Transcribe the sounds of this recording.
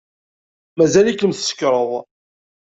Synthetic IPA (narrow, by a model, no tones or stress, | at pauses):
mæzælikːəmθsə̥kːɾˤəðˤ